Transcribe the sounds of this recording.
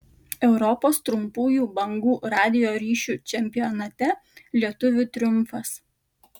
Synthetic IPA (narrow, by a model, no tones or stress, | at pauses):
ɛʊɾɔpoːst̪ɾʊmpuːjuːbɐŋɡuːɾɑːd̪ʲɪjoːɾʲiːʃʲuːt͡ʃʲɛmʲpʲɪjɔnɐt̪ʲɛlʲiɛt̪ʊʋʲʊt̪ʲɾʲʊmˑfɐs